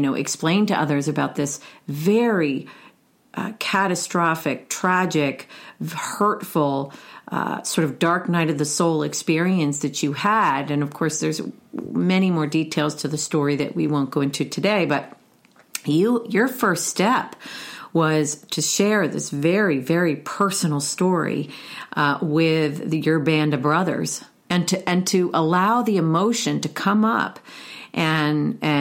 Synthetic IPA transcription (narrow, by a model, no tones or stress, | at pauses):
ɨnoʊʔɨ̰ksplẽɪ̃ntɨʔʌðə˞zɨbaʊt̪̚ðɪsvɛɹi | ʔkʰæɾɨstɹ̥ɑfɨk̚tʰɹ̥æd͡ʒɪk | hɜ˞tfl̩ˠʔsɔɹɾʌvdɑɹknaɪɾʌvðɨsoʊlˠɨkspɪɹiɨ̃nsðɨt͡ʃɨəɾɨ̃nʌv̥kʰɔɹsðə˞zmɛɾ̃imɔɹditʰeɪlˠz̥tʰɨðɨstɔɹiðɨ̰ʔwḭwõʊ̃nɡ̥oʊɪ̃ŋtʰɨtʰɨdeɪbʌt̚ | jɨjə˞fɜ˞ststɛpwʌz̥tʰɨʃɛɹðɪ̰svɛɹivɛɹipʰɜ˞sn̩l̩ˠstɔɹḭ | wɪðjə˞bæ̃ndʌvbɹʌðə̰˞z̥ | ɨ̃ntʰɨʔɨ̃ntʰɨʔəlaʊðiɨmoʊʃɨ̃ntɨkʰʌ̃mʌ̰pʔɨ̃nɨ